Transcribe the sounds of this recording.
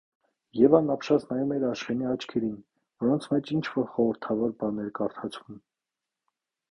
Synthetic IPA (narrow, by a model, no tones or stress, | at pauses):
jɛvɑnɑpʃɑt͡snɑjumɛɾɑʃχɛniɑt͡ʃʰkʰɛɾin | vɔɾɔnt͡sʰmɛt͡ʃint͡ʃʰvɔɾχɔɾəɾt̪ʰɑvɔɾbɑnɛɾkɑɾt̪ʰɑt͡sʰvum